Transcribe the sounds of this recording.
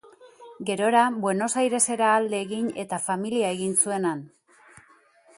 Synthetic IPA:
ɡe̞ɾo̞ɾabwe̞no̞sajɾe̞se̞ɾaːld̪e̞ːɣiɲe̞t̪afamiliae̞ɣinsue̞nan

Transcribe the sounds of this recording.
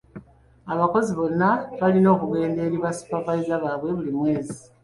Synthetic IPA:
aβako̞ziβo̞nːaβalino̞ːkuɣe̞ːnde̞ːɾiβwasu̥pavaizaβaβwe̞βulimwe̞ːzi

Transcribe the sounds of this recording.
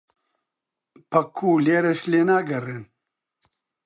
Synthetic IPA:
pɐkʰːuːleːɾɐʃleːnaːɡɐrɨn

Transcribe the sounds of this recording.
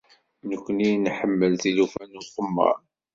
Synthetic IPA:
nəkʷːənijnħəmːəlθilufænuχəmːə̰ɾˤ

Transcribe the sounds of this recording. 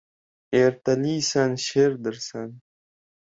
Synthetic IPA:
eːɾt̪ɐliːsanɕeːɾd̪əɾsan

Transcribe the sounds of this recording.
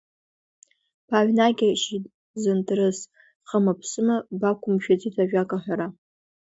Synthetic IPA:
pʰaʕʷnaɡʲaʃɪd | zɨntʰrɨs | χəmapʰsɨmabakʷʰʊmʃᶣat͡sʼitʰaʒᶣakʼaħʷᶣaɾa

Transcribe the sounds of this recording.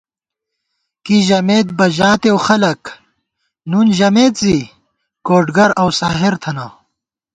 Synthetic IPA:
kiʑɐmeːt̪̚bɐʑaːt̪ewxɐlɐk | nunʑɐmeːt̪zi | koːʈɡɐɾɐwsaːɦeɾt̪ʰɐnaː

